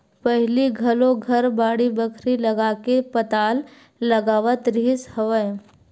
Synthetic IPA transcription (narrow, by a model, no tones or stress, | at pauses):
pəɦliɡʱɐlõɡʱɐɾbaːɽibəkʰɾilɐɡaːkepət̪aːlː | ɐɡaːʋət̪ɾɪɦshəʋə